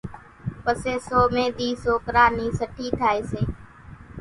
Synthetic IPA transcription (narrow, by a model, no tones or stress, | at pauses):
pəseːsoːmẽːɗ̪iːsoːkɾaːniːsəʈʰiːt̪ʰaːeːseː